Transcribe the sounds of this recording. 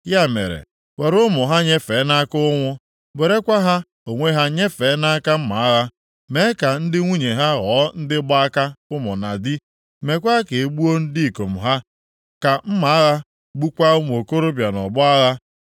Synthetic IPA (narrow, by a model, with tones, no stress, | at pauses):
ja˦mḛ˨ɾḛ˨ | we˨ɾʊ˦mʊ˨ɦa˦ɲe˦fe˨˦na˦kʊ˦ŋʷʊ˦ | be˨ɾe˦kʷa˦ɦa˦ | o˨ŋʷe˦ɦa˦ɲe˦fe˨˦na˦a˦ka˦m̩˦ma̰˨a˦ɣa˦ | me˨˦ka˨n̩˦dɪ˦ŋʷu˦ɲe˨ɦa˦ɣɔː˨˦n̩˦dɪ˦bʊ˦a˦ka˦ʊ˦mʊ˨na˨dɪ˦ | me˨kʷa˦ke˨e˨ɡ͡bu˦o˦n̩˦di˦˨ko˨m̩˨ɦa˦ | ka˨m̩˦ma˨˦a˦ɣa˦ | ɡ͡bu˦kʷa˦ʊ˦m˨o˨ko˦ɾʊ˦bja˨nɔ̰˨bʊ˦a˦ɣa˦